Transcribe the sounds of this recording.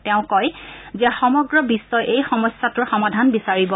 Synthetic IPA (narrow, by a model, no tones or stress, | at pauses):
tɛʊ̃kɔjzɛxɔmɔɡɹɔbisːɔjʔejxɔmɔsːatʊɹxɔmadʱanbisaɹibɔ